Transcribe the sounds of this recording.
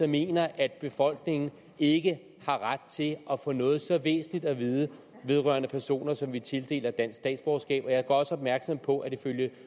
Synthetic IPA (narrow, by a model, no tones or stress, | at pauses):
ɒme̝̰ːnɐʔæd̥̚b̥e̝fɒ̽l̰ɡ̥ne̝ŋn̩ | e̝ɡ̥ə | hɑ̈ʁad̥̚t͡sʰe̝ʔɒfɔ̰nɔ̽ːð̞̩ˠsɒ̽ʋḛːsn̩lid̥æʋiːð̞ˠə | ʋe̝ð̞ˠʁɶ̰ɐnəpʰæɐso̝̰ːnɐsɒ̽mʋit͡sʰe̝ld̥e̝̰ːlɐd̥æn̰sɡ̥sd̥ɛ̰ːdsb̥ɒʊsɡ̥ɛ̰ːb̥ɒ̽jɑ̈ɪɡ̥ɒɒ̽sɒ̽b̥̚mæɐɡ̥sɒ̽mpʰɒ̽ʔæd̥iføljə